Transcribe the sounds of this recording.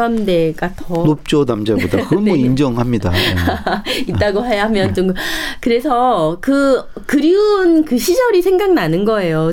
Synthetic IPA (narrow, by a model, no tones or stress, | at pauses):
amde̞ɡatʌnop̚t͡ɕ͈ʌnamd͡ʑaodakɯɾʌnboind͡ʑʌŋɦamɲida̰ | it̚t͈aɡoɦajaɦamjʌnt͡ɕomkɯɾe̞sʰʌkɯ | kɯɾiunkɯɕʰid͡ʑʌɾisʰe̞ŋɡak̚nanɯnɡʌe̞jo